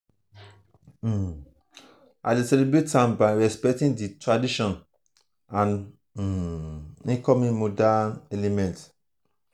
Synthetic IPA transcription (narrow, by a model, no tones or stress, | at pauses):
a̰ɪdesɛlibɹetãmbaɪɹɛspɛk̚tĩŋditɹadiʃɔ̃n | ãn | ĩŋkɔmĩŋmodanɛlemɛ̃nt